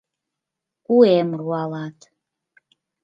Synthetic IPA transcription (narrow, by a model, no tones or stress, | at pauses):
kuemruɑlɑt̪